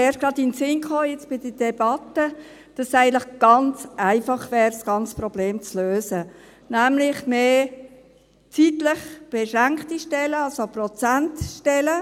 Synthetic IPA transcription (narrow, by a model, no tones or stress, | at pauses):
ɛːɾtɡ̥rɑd̪ɪnsɪnkχoːjɛt͡sb̥ɪd̥əd̥ɛbɑt̪ə | d̥ɑsæɪɡəntlɪχɡ̥ɑnt͡sæɪfɑχʋɛːɾsɡ̥ɑnt͡sə̥prɔbleːmt͡sløːsə | næmlɪχmeː | t͡sitləχb̥eʃɾæŋkχtiʃtɛləɑlsoprɔt͡sæntʃtɛlə